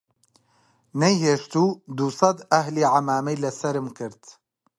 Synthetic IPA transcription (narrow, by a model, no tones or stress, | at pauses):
nɛjheːʃt̪uːd̪usɑd̪ɐhliːʕamaːmɛjlɐsɐɾɨmkɨɾt̪